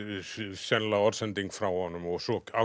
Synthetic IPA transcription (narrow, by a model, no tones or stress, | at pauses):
sɛnlaɔɾsɛnt̪iŋkfɾawhɔnːʏmɔɣsɔka